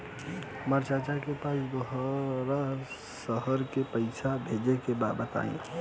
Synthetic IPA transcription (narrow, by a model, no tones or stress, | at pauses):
məɾt͡ʃat͡ʃakepasɡəɦɾa | səɦəɾkepəɪsʰabʱed͡ʒekebabət̪a̰ḭ̃